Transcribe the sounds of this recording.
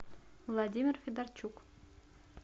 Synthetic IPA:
vlˠadʲimʲɪrfʲed̪ɑrt͡ɕuk

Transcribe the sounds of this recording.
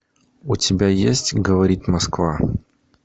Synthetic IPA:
ʊtʲɪbʲajesʲtʲɡəvɐɾʲit̪ʲmɐskva

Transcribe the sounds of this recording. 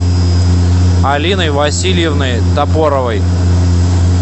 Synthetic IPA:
ɐlʲinəjvɐsʲilʲjɪvnɨjt̪ɐpoɾəvəj

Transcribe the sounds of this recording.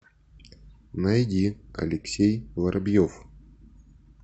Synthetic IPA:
nɐjdʲiɐ̰lʲɪksʲejlˠɐɾʔɐbʲjof

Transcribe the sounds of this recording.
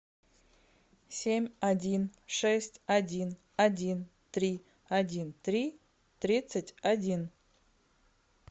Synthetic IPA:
sʲemʲɐdʲinʂɛsʲtʲɐdʲin | ɐdʲint̪ɾʲi | ɐdʲint̪ɾʲi | t̪ɾʲit̪sətʲɐdʲin

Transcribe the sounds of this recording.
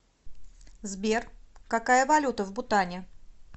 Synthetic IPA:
zbʲerkakajəvɐlʲut̪əvbʊt̪anʲɪ

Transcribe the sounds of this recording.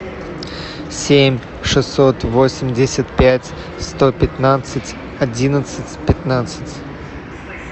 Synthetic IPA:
sʲemʲ | ʂɨsːot̪vosʲɪmʲdʲɪsʲət̪pʲætʲ | st̪opʲɪt̪nat̪sɨtʲ | ɐdʲinət̪sɨtʲpʲɪt̪nat̪sɨ̥tʲ

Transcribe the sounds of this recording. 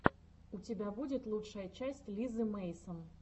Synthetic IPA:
ʊtʲɪbʲabudʲɪt̪lˠutʂəjət͡ɕæsʲtʲlʲizɨmejsən

